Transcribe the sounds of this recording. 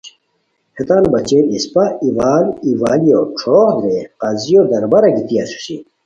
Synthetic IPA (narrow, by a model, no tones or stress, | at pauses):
het̪aːnbɐt͡ɕeispɐiʋaːliʋaːlijoʈ͡ʂʰoohd̪ɾeqɐzijod̪ɐɾbɐɾɐɡit̪iɐsu̥si